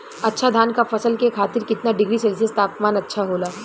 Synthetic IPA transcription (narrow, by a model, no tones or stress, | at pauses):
ɐtːʃʰad̪ʱaːnkafɐsəlkekʰaːt̪ɪɾkɪt̪naɖɪɡɾisɛːlsiest̪aːpmaːnɐtːʃʰaɦoːlaː